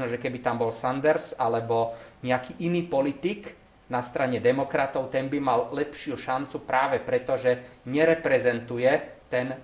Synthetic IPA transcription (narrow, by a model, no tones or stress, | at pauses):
nɔʒɛkɛbit̪ambɔlsand̪ɛɾsalɛbɔɲɛakiːʔiniːpɔlit̪ik | nast̪ɾaɲɛd̪ɛmɔkɾat̪ɔʊt̪ɛnbimallɛpʃɪuʃant͡supɾaːʋɛpɾɛt̪ɔʒɛɲɛɾɛpɾɛzɛnt̪ujɛt̪ɛn